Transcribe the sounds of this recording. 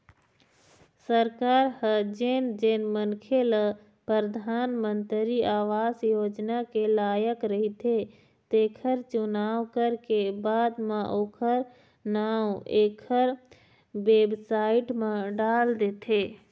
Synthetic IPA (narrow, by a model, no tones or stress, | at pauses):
səɾkaːɾhəd͡ʒeːnd͡ʒeːnmənkʰelə | pɾəɾəd̪ʱaːnmə̃nt̪ɾiʔaːʋaːsjoːd͡ʒnakelaːjəkɾəɦit̪ʰe | t̪eːkʰəɾt͡ʃʊnaːwkəɾkebaːd̪mẽʔoːkʰəɾ | naːwueːkʰəɾ | weːbsaːɪʈmẽɖaːld̪eːt̪ʰeː